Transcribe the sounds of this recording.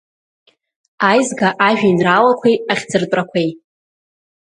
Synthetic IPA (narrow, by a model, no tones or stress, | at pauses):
ajzɡaʔaʒᶣinralakʷʰejaχʲd͡zɨrtʼrakʷʰej